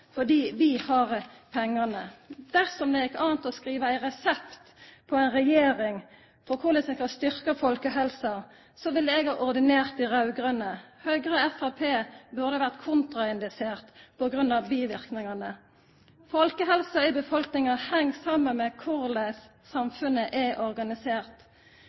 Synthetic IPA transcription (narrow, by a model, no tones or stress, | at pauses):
fɔd̪iːʋihɑʁpʰɛŋːɑnəd̪̥æʁsɔmd̪ɛjɪkːɑːnt̪ɔskʁiːʋəæɪʁɛsɛpt̪pʰɔæɪnʁɛjeːɾɪŋ | fɔʁkʰʊlɛsɛkɑst̪ʏʁkəfɔlkəɦɛlsɑ | sɔʋɪlɛɡhɑɾɔʁd̪ɪneːʁt̪ɪʁɑʉɡʁœnəhœɡʁəɛfɑpʰeːbʉʁd̪əʋæʁt̪kʰʊnt̪ʁɑɪnd̪ɪseːʁt̪pʰɔɡʁʉnːɑʋbiːʋɪʁknɪŋɑnə | fɔlkəɦɛlsɑɪbəfɔlknɪŋɑhɛŋːsɑmənmɛkʰʊʁlesː | ɑmfʉnəʔɛʔɔʁɡɑnɪseːʁt̪